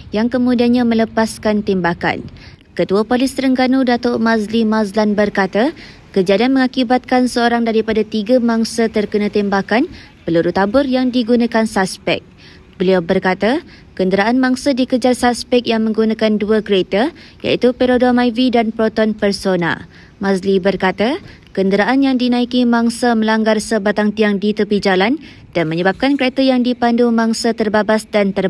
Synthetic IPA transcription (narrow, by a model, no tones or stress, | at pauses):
jaŋkəmũdiaɲãmə̃ləpaskant̪ɛmbaka̰n | kət̪uapolɪst̪əɾəŋɡanudat̪oʔmazlimazlanbərkat̪a | kəd͡ʒadianmə̃ŋakibat̪̚kansəoɾaŋdaɾipadat̪iɡamãŋsat̪ərkənãt̪ɛmbakan | pəluɾut̪abʊrjaŋdiɡunãkansaspɛ̰k̚ | bəliawbərkat̪a | kəndəɾaʔanmaŋsadikəd͡ʒarsaspɛk̚jaŋmə̃ŋɡunãkanduəkəɾet̪a | ja̰it̪upeɾodomajvidanpɾot̪ɔnpərsona̰ | mãslibərkat̪a | kəndəɾaʔanjaŋdinãikimãŋsamə̃laŋɡarsəbat̪aŋt̪iaŋdit̪əpid͡ʒalan | d̥anmə̃ɲəbap̚kankɾet̪ajaŋdipandumãŋsat̪ərbabasdant̪ər